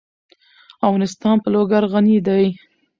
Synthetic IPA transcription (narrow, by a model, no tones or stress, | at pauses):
avɣɑnɪst̪ɑnpəloɡaɾɣanid̪aj